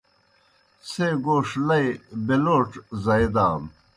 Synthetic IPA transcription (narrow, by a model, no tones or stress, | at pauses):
seɡoːʂlɐjbeloːʈ͡ʂzɐjd̪aːm